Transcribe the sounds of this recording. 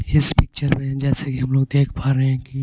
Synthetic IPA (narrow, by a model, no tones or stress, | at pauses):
ɪspɪk̚t͡ʃəɾmẽd͡ʒɛːsekiɦɐ̃mloːɡ̚d̪eːkʰpaːɾeɦɛ̃ki